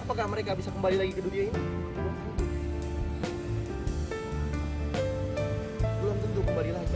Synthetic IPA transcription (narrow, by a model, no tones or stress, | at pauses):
apakahməɾekabisakəmbalilaɡikədudiainibəlʊmt̪ut̪u | bəlʊmt̪ənt̪ukəmbalilad͡ʒ